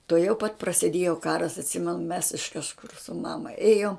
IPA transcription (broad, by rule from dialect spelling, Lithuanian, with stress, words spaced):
tuɔˈjɛʊ pɐt prɐsʲɪˈdʲeːjoː ˈkɑːrɐs ɐtʲˈsʲɪmʲɛnʊ mʲɛs ɪʃ kɐʃˈkʊr sʊ ˈmɑːmɐ ˈeːjoːm